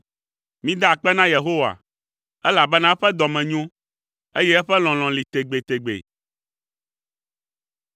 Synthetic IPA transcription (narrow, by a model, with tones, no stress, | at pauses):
mĩ˦d̪a˦˨k͡pɛ˦nã˦je˨ɦo˦wa̰˨ | ɛ˦la˨bɛ˦nã˦ɸɛ˦d̪ɔ˨mɛ̃˨ɲũ˦ | e˦jɛ˦ɛ˦ɸɛ˦l̃ɔ̃˨l̃ɔ̃˨li˨t̪e˨ɡ͡be˨t̪e˨ɡ͡bḛ˨